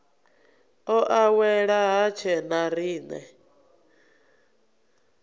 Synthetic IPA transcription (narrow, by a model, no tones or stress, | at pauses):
ɔʔawɛɺaɦat͡ʃʰɛnaɾiːnɛ̰